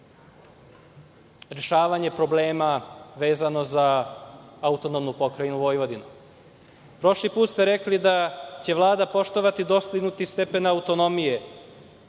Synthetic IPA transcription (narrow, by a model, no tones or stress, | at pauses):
ɾeʃaːʋaɲe̞pɾo̞ble̞ːmaʋe̞ːzano̞za | aut̪o̞nomnupo̞kɾajinuʋo̞ːjʋo̞d̪inu | pɾo̞ʃlipuːt̪st̪eɾeklid̪at͡ɕe̞ʋlˠaːd̪apo̞ʃt̪oʋat̪id̪o̞st̪iɡnut̪ist̪epe̞naut̪o̞no̞mije̞